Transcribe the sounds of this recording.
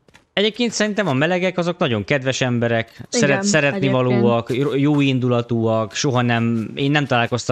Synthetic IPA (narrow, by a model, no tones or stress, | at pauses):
ɛɟeːp̚keːnt̪sɛɾint̪ɛmɒmɛlɛɡɛkɒzo̞knɒɟo̞ŋkɛd̪ʋɛʃɛmbɛɾɛksɛɾɛt̪sɛɾɛt̪nivɒloːɒkjoːind̪ulɒt̪oːɒkʃo̞ɦɒnɛmḛːnːɛmt̪ɒlaːlko̞st̪